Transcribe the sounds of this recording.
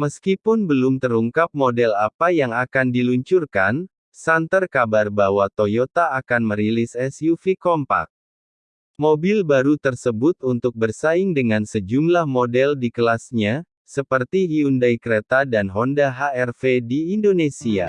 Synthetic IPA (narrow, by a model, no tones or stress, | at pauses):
məskipʊnbəlumt̪əɾuŋkap̚modɛlapajaŋakandiluɲt͡ʃurkan | sant̪ərkabarbawat̪ojot̪aːkanməɾilisɛsjufikɔmpa̰k̚ | mobilbaɾut̪ərsəbʊt̪unt̪ʊk̚bərsaɪŋdəŋansəd͡ʒumlahmodɛldikəlasɲa | səpərt̪iiundajkəɾet̪adanɦɔndaɦaɛrfediːndonesia̰